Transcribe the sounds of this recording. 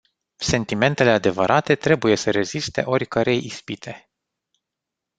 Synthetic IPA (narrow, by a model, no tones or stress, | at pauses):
se̞nt̪ime̞nt̪e̞le̞ad̪e̞vəɾʔat̪e̞t̪ɾe̞buje̞səɾe̞zist̪e̞̰ʔo̞rʲkəɾejispit̪ʰe̞